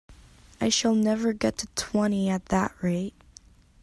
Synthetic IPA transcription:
aɪʃəlˠnɛvə˞ɡɛtʰɨtʰw̥ɛ̃ɾ̃iɨt̪̚ðə̰ʔ̚ɹeɪt̚

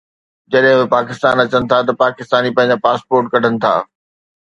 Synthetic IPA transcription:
d͡ʑɐɗɦɪ̃mɪpaːkɪst̪aːnɐt͡ɕənɪ̆t̪ʰat̪ɐpaːkɪst̪aːnipɐ̃ɦɪ̃ɲ̆d͡ʑapaːspoːɾʈkɐɖʱənɪ̆t̪ʰa̰ː

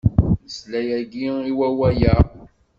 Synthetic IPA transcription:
nəslæjæɡiiwæwæjə

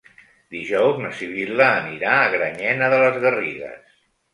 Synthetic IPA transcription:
d̪iʒɔwznəsiβ̞iləːniɾaəɣɾəɲɛnəðələzɣəriɣə̰s

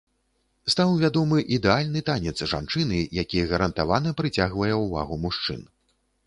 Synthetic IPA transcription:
st̪awvʲad̪ɔmɨʔid̪ɛalʲnɨt̪anʲɛt̪sʐa̰nt͡ʂɨnɨjakʲijɛɣɐɾɐnt̪avanɐpɾɨt͡sʲaɣvɐjɛwva̰ɣumuʂt͡ʂɨ̰n

